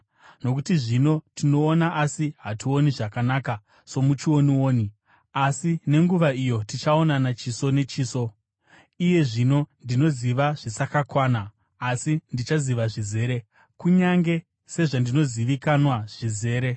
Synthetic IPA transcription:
no̞kutiʐino̞tʰino̞ːnaʔasiɦatio̞niʐakanaːka | so̞mut͡ʃio̞niwo̞ːni | asine̞ŋɡuʋaijo̞tit͡ʃao̞nanat͡ʃiso̞ne̞t͡ʃiːso̞ | ije̞ʐino̞ndino̞ziʋaʐ̥isakakwaːnaː | sindit͡ʃaziʋaʐize̞ːɾe̞ | kuɲaŋɡe̞ | se̞ʐandino̞ziʋikanwaʐ̥ize̞ːɾe̞

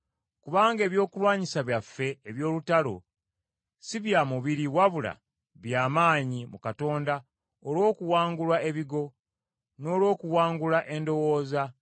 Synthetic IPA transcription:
kuβaːŋɡe̞ːβjo̞ːkulwaːɲisaβjafːe̞ːβjo̞ːlutalo̞̰ | siβjamuβiɾiwaβula̰ | βjaːmaːɲimukato̞ːnda | olwo̞ːkuwaːŋɡulwae̞βiɡo̞ | no̞ːlwo̞ːkuwaːŋɡulaʔe̞ndo̞wo̞ːza

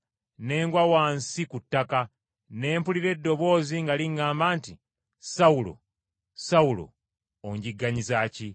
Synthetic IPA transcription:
ne̞ːŋɡwawaːnsikutːaka | ne̞ːmpuliɾe̞dːo̞βo̞ːziŋɡaliŋɡaːmbaːnti | saulo̰ | saulo̰ | oɲɟiɡːaɲizaːci

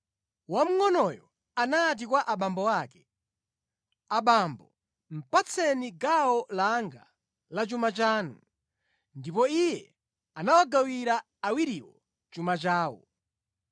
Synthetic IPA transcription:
wam̩ŋɔnɔjɔ | anat̬ikwaʔaɓambɔwakɛ̥ | aɓambɔ | m̩pat͡sʰɛniɡaɔlaŋɡa̰ | lat͡ʃumat͡ʃaːnu | ndipɔijɛ | anawaɡawiɾa | awiɾiwɔ | t͡ʃumat͡ʃaːwɔ̰

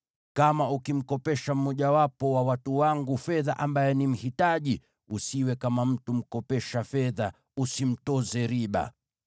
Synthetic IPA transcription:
kamaukim̩kɔpɛʃam̩mːɔʄawapɔwawatuwaŋɡufɛðaʔambajɛnim̩hitaʄi | usiwɛkamam̩tum̩kɔpɛʃafɛða | usim̩tɔzɛɾiɓa̰

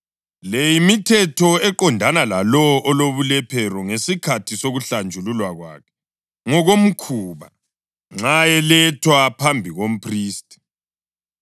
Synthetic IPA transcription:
lejimitʰɛtʰɔɛǃɔndʱanalalɔʔɔloβulɛpʰɛɾɔŋesikʰatʰisoɣuɬand͡ʒʱululwaɣwa̰ːkʰɛ̥ | ŋɔɣom̩kʰuːβa̰ | ŋ͡ǁajɛlɛtʰwapʰambʱiɣom̩pʰriːstʼi̥

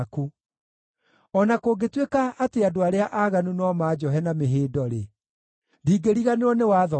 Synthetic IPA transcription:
ku | ɔnakoːɡetwekaʔːteadoaɾeaʔaːɣanunɔmaːd͡ʑɔɦɛnameɦeːdɔɾe | diːɡeɾiɣaneɔnewaðɔ

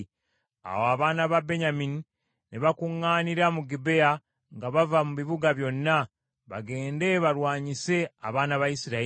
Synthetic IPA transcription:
a̰woaβaːnaβabe̞ɲamini | neβakuŋːaːniɾamuɡibe̞ja | ŋɡaβavamuβiβuɡaβjo̞nːa | βa̰ɡe̞ːnde̞βaɾwaːɲise̞a̰βaːnaβajisiɾa

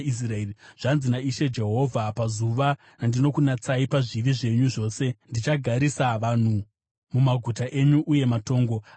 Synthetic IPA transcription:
is̬raeiʐ̥anzinaiʃe̞d͡ʒe̞ɦo̞vʱapazuʋa | nandino̞kunat͡saipaʐiʋiʐe̞ɲuʐo̞ːse̞ndit͡ʃaɡʱaɾisaʋaːn̤u | mumaɡʱutaʔe̞ɲuʔuje̞mato̞ːŋɡo̞

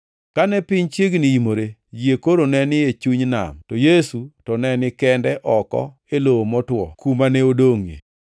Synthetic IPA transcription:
kanɛpɪɲt͡ʃeɡnɪimoɾed͡ʒjekoɾonɛnɪet͡ʃuɲna̰mtɔjesutɔnɛnɪkɛndɛʔɔkɔ̰ | eloomɔtwɔ̰kumanɛodoŋḛ

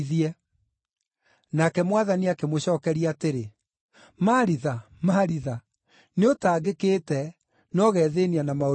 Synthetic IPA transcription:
ðiɛ | nakɛmwaðaniakemoɕɔːkɛɾiaːteɾe | maɾiða | maɾiða | neotaːɡekeːtɛ | nɔɣɛðenianamao

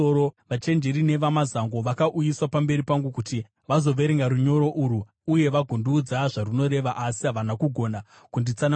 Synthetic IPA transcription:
ooʋat͡ʃe̞nd͡ʒeɾine̞ʋamazaŋɡo̞ʋakaʔujiswapambe̞ɾipaŋɡukuti | ʋazo̞ʋe̞ɾeŋɡaɾuɲo̞ɾo̞ʔuɾu | uje̞ʋaɡʱunduːd͡zaʐaruno̞ɾe̞ʋaʔːsiɦaʋanakuɡʱo̞na | kundit͡san

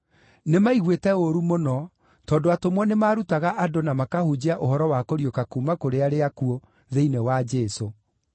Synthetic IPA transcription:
nemaiɣwetɛoɾumonɔ | tɔːndoatomwɔnemaːɾutaɣaʔadonamakahud͡ʑeaʔohɔɾɔwakoɾiokakumakoɾeaɾeakuo | ðeinewad͡ʒeːso

